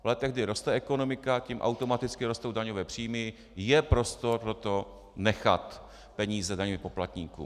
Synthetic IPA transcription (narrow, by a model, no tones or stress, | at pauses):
vlɛt̪ɛɣɡdɪɾo̞st̪ɛʔɛko̞no̞mɪkacimʔa̰wt̪o̞mat̪ɪt͡skɪɾo̞st̪owdaɲovɛːpr̥iːmɪ | jɛpɾo̞st̪o̞ɾpɾo̞t̪o̞ | nɛxa̰t̪ | pɛɲiːzɛdaɲovɪpoplat̪ɲiːkṵ